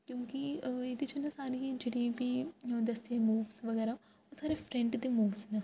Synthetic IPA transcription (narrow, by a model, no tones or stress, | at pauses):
kjõːkieːd̪it͡ʃonasaːɾiːd͡ʒeːɽiːbiːə̃d̪əsẽːmuːʋzʋəɡɛːɾaː | osaːɾeːpʰɾɛ̃ɳʈd̪eːmuːʋznaː